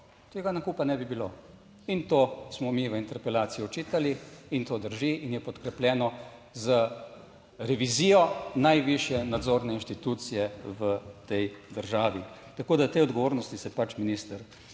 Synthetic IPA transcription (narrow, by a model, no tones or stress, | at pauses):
t̪eːɡanakuːpanɛbibilo | int̪oːsmɔmiʋəint̪ɛɾpɛlaːt̪sijɔɔt͡ʃiːt̪aliint̪oːd̪əɾʒiʔinjɛpɔt̪kɾɛpljɛːnɔ | zə | ɾɛʋiziːjɔnajʋiʃjɛnad̪zoːɾnɛinʃt̪it̪uːt̪sijɛʋət̪ɛjd̪əɾʒaːʋi | t̪akoːd̪at̪eɔd̪ɡɔʋoːɾnɔst̪isɛpat͡ʃminist̪əɾ